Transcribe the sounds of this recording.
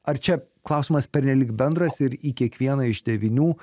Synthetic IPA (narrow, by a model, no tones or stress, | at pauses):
ɐɾt͡ʃʲɛklˠɐˑʊsʲiːmɐspʲɛɾʲnʲɛlʲiːkbʲɛnd̪ɾɐsɪɾiːkʲiɛkʋʲiɛnɐɪʒd̪ʲɛʋʲɪnʲuː